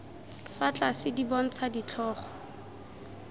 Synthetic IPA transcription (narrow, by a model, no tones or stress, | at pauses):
fat͡ɬʼasɪdibɔn̩t͡sʰadit͡ɬʰɔːχɔ̥